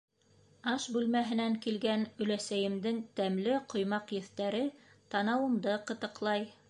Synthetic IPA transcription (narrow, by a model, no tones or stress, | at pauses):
ɑʃbʉlmæɦɘ̆næŋkilɡænɵ̆læsæjɘ̆md̪ɘŋt̪æmlɘqŏjmɑqjɵ̆θt̪æɾɘ | t̪ɑnɑwɤ̆md̪ɤqɤ̆t̪ɤ̆qlˠɑj